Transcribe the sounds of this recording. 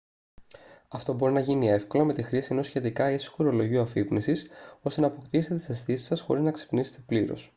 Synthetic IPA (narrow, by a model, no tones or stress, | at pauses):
ɐft̪o̞bo̞ɾinɐʝinie̞fko̞lɐme̞t̪ixɾisie̞no̞sçe̞t̪ikɐesi̥xoɾo̞lo̞ʝioɐfipnisiso̞st̪e̞nɐːpo̞kt̪iset̪et̪i̥sesθisi̥sɐsxo̞̰ɾiznɐkse̥pnise̥t̪e̞pliɾo̰s